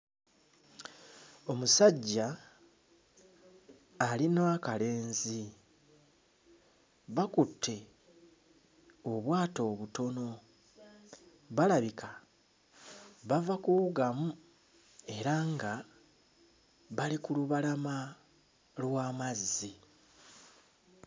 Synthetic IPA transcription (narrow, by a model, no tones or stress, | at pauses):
o̞musaɟːa | linaakale̞ːnzi | βakutʰːe̞ | o̞βwaːto̞ːβuto̞no̞ | βalaβikʰa | βavakuuɡamu | e̞ɾaŋɡa | βalikuluβalama | lwaːmazːi